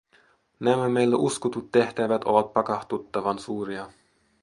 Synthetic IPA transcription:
næmæmejlːæʔuskut̪ut̪ːe̞ht̪æʋæt̪o̰ʋɑt̪̚pɑkɑht̪ut̪ːɑʋɑnsuːɾiɑ

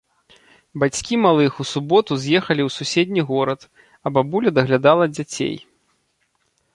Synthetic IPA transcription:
bat͡sʲkʲimalˠɨxusubɔt̪uzʲjɛxɐlʲiwsusʲɛd̪ʲnʲiɣɔɾɐt̪ | ɐbabulʲɐd̪ɐɣlʲad̪alˠɐd͡zʲat͡sʲḛj

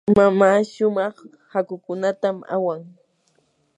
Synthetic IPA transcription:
mamaːʃʊmɑχ | hakʊkʊnat̪ama̰waŋ

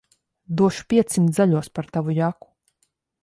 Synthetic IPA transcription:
d̪uɔʃu̥pʲiɛt̪sʲimt̪zaʎʲuɔspaɾt̪avujaku̥

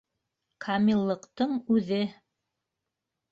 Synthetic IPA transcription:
kʰamʲilˠːɤ̆qt̪ɤɴʉðɘ

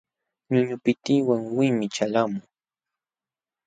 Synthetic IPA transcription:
ɲʊɲʊpɪt̪iwaŋwɪmɪt͡ʃalamʊŋ

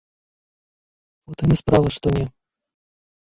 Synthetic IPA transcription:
ɔt̪ɨnʲɛspɾavɨʂt̪ɔnʲɛ

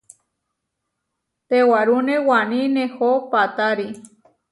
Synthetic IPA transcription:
t̪ewaɾunewanĩnehopat̪aɾi

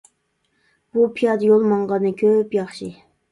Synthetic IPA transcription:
b̥upʰijɑd̪ɨjolˠmɑŋʁɑnɨkʲʰøpjɑχʃi

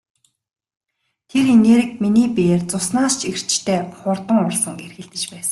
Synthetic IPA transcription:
t̪ʰeɾineːɾɘ̆k̚miniːpeːrt͡sʊsnaːst͡ɕʰir̥t͡ɕt̪ʰeːχʊrt̪ə̆ŋʊɮsə̆ŋerxɘ̆ɮt̪ɘ̆t͡ɕpæːsə̥̆ŋ

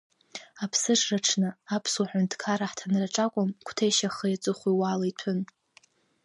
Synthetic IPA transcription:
apʰsɨʂraʈ͡ʂʰnɨapʰswuħʷᶣʊntʰkʰaɾaħtʰanraʈ͡ʂʼakʷʼʊmkʷʰtʰejʃaχəjat͡sʼɨχʷiwalaitʰʊn

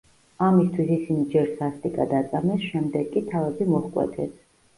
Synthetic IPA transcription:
amist̪ʰwisisinid͡ʒɛɾsast̪ʼikʼad̪at̪sʼamɛsʃɛmd̪ɛɡʼit̪ʰavɛbimɔχkʼwɛ̰t̪ʰɛs

